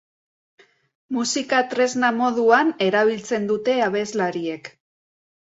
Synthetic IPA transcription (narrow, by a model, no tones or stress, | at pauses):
musikat̪ɾe̞znamo̞ðuane̞ɾaβ̞ilt͡se̞nd̪ut̪e̞aβe̞zlaɾie̞k